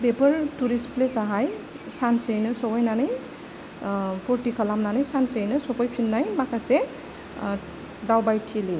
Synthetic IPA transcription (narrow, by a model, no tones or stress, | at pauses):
bepɯɾtuɾisplesaɦaj | sansejnɯsɔbɔjnanɯj | pʰɔɾtikalamnanɯjsansejnɯsɔbɔjpʰinːajmakase | dawbajtʰili